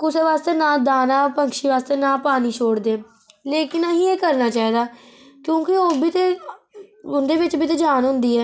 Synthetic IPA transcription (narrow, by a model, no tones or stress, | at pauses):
kʊseːʋaːst̪eːnãːd̪aːnaːpəŋkʃiːʋaːst̪eːnaːpaːniːt͡ʃʰoːɽd̪eː | leːkɪnəɦĩːeːkəɾnaːt͡ʃaːɦiːd̪aːkjõːkɪoːbʱiːt̪eː | ʊnd̪eːʋɪt͡ʃbʱiːt̪̬eːd͡ʒaːnɦʊ̃nd̪iːɛː